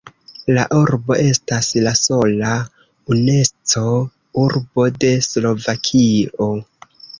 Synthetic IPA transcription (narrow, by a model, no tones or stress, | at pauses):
laʔuɾbo̞ʔe̞staslaso̞la | une̞st͡so̞ | uɾbo̞de̞slo̞vakʰio̞